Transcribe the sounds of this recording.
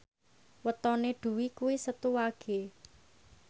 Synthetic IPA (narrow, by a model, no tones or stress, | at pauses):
wət̪ɔneɖ̪̥ṳwikuisət̪uwaɡ̥e